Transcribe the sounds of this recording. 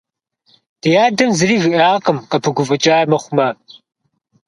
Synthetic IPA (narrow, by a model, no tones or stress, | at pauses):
d̥ijaːdɐmzɨriːʒɨʔaːʁqʼəmqɐpʰɨɡʷʊvʼɐt͡ʃʼaːmɐχʷʊmɐ